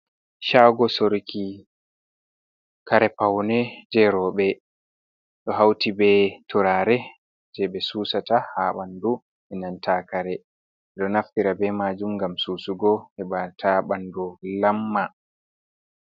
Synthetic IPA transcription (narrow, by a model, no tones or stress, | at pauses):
ʃaɡɔsoɾkʰi | kaɾɛpawnɛd͡ʒɛɾɔɓɛ | ɗɔɦawtibɛtʰɔɾaːɾɛ | d͡ʒɛɓɛsuːsatahaɓandu | ʔɛnantʰakaɾɛ | ɗɔnaftiɾabɛmaːd͡ʒumɡamsuːsuɡɔhɛɓatʰaɓandɔlamːa